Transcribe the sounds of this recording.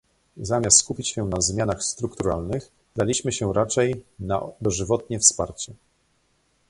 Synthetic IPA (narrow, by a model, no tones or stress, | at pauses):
zamʲast̪skupʲit͡ɕɕɛnazmʲjanaxst̪ɾukt̪uɾa̰lnɘx | d̪alʲiɕmɘɕɛɾat͡ʂɛjna̰d̪ɔʐɘvɔt̪̚ɲɛfspa̰ɾt͡ɕɛ